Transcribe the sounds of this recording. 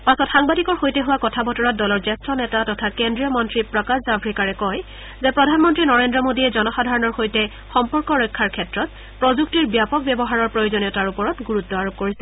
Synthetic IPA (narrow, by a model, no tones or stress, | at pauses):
pasɔtxaŋbadikɔɹxojtɛɦuwakɔtʰabɔtɔɹɔt̚dɔlɔɹzɛstɹɔnɛtatɔtʰakendɹiɔmɔntɹipɹɔkaszabʰʱɹikaɹɛkɔj | zɛpɹɔdʱanmɔntɹinɔɹendɹɔmodiɛzɔnɔxadʱaɹɔnɔɹxojtɛ | xɔmpɔɹkɔɹɔjkʰːaɹkʰɛtɹɔt̚ | pɹɔzuktiɹbjapɔk̚bjɛbɔɦaɹɔɹpɹojozɔniɔtaɹupɔɹɔtɡuɹutːɔaɹop̚koɹisɛ